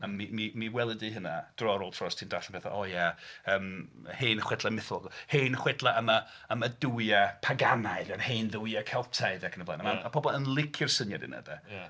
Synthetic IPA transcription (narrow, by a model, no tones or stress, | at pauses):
amimimiwɛlˠədɨɦənad̥rɔɾolˠtʰrɔstʰindaɬan̩mpeθa̰ʔɔjaəːmheːnχwɛdlˠamɪθɔ̰lˠɡheːnχwɛdlˠaəma | əmaduwjapʰaɡanaɨðanheːnðuwjakʰɛlˠtʰaɨðɛakʰənəvla̰namaapʰɔbɔlˠənlˠɪkʰɪrsənjadɪ̰nə̰dɛ